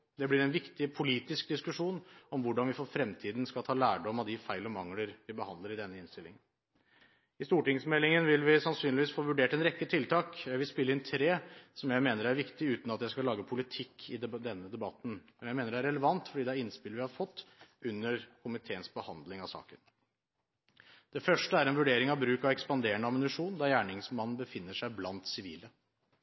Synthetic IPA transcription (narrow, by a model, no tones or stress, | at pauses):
d̪ɛblɪɾɛnʋɪkt̪ɪpʰʊliːt̪ɪsk̚d̪ɪskʉʂuːnɔmʋʊɖɑnʋɪfɔɾfɾɛmt̪ʰiːd̪nskɑlt̪ʰɑːlæːɖɔmɑʋd̪ɪfæɪlɔmɑŋləɾʋɪbəhɑnd̪ləɾɪd̪ɛnːəɪnst̪ɪlɪ̰ŋən | ɪst̪uːʈɪŋsmɛlːɪŋənʋɪlʋɪsɑnsyːnlɪʋiːsfoːʋʉɖeːʈɛnɾɛkːət̪ʰɪlt̪ʰɑːkjæɪʋɪlspɪlːəɪnt̪ʰɾeːsɔmjæɪmeːnəɾæɾʋɪkt̪ɪʉːt̪n̩ɑt̪jæɪskɑlɑːɡəpʰʊlɪt̪ʰɪkʰːɪd̪ɛnːəd̪ɛbɑt̪n̩mɛnjæɪmeːnəɖɛæɾɛləʋɑnt̪fɔɖiːd̪ɛæɾɪnspɪlʋɪhɑɾfɔt̪ːʉnːəɾkʰʊmɪt̪ʰeːənsbəhɑ̰nd̪lɪŋɑʋsɑ̰ːkən | d̪̥ɛfœʂʈəæɾɛnʋʉɖeːɾɪŋɑʋbɾʉːkɑʋɛkspɑnd̪eːɳəɑmənʉʂuːnd̪ɑɾjæːɳɪŋsmɑnːn̩bəfɪnːəʂæɪblɑnt̪sɪʋiːlə